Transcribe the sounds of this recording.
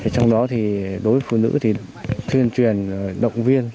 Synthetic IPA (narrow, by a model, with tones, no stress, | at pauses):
i˨˩t͡ɕɔ˧wŋ͡mɗɔ˨˦t̪ʰi˨˩ɗo˨˦jvə˨˦fu˧˩nɨ̰˧˥t̪ʰi˨˩ | t̪ʰwi˧˩ənt͡ɕwi˨˩ən˨˩ɗə̰˧˨wŋ͡mvi˧ən